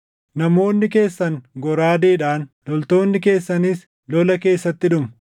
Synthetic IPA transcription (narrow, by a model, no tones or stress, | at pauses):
nɐmo̞ːnːɪke̞ːsːɐŋɡɔɾaːd̪eːᶑaːnlɔlt̪o̞ːnːɪke̞ːsːɐnis | lɔlɐke̞ːsːɐt̪ːɪᶑʊm